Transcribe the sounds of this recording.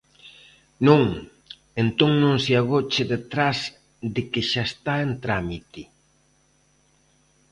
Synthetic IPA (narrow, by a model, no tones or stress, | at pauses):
nõŋ | ent̪oŋnõŋseaɣ̞ot͡ʃɪðet̪ɾaz | d̪ɪkɪʃaest̪aent̪ɾamit̪i